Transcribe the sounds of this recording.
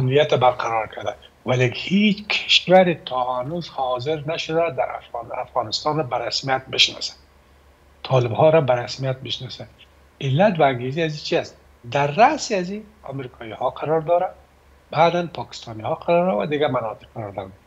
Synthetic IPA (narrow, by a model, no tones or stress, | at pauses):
amnijat̪abaɾqʰaɾɔɾkʰaɾd̪a | walehet͡ʃkʰɪ̥ʃwaɾɪt̪ʰɔhanuzhɔzɪɾnaʃʊd̪ad̪aɾa̰nafɣɑnɪst̪ɑnɾabaɾasmijat̪̚bɪʃnɔ̰sḁ | t̪ʰɒlɪbhɔɾabaɾasmijat̪̚bɪʃnɔsa | ɪlːat̪waːŋɡeziazit͡ʃʰiast̪̚ | d̪aɾːasiazia̰mɾikʰɔjihɔqʰaɾɔɾd̪ɒɾa | bad̪anpʰɒkɪ̥st̪ɑnihɔqʰaɾɔɾɾawa̰d̪ɪɡamanɔt̪ɪ̥q̚aɾɔɾd̪ɔɾ